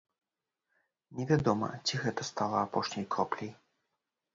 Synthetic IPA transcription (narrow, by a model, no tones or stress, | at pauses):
nʲɛvʲad̪ɔmɐ̰t͡sʲiɣɛt̪ɐst̪alˠɐapɔʂnʲɐjkɔplʲij